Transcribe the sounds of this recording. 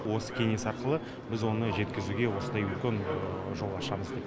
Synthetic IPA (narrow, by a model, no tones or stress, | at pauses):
wo̞sə̥kʲʰe̞ŋe̞sɑɾqəlˠə | bɪzwo̞nəʒe̞t̪kʲɪzuɡʲe̞wo̞sənd̪ɑjʏlkʲenʒo̞lˠɑʃɑməzd̪ejt̪